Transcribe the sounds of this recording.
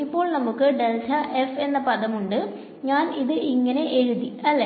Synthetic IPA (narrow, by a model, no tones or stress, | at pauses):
ipːo̞ːɭnɐmukːɨɖelʈʰɐʔefe̞nːɐpɐðɐmuɳɖɨ | ɲaːniðɨʔiŋːɐne̞ʔeɻuðiɐlːe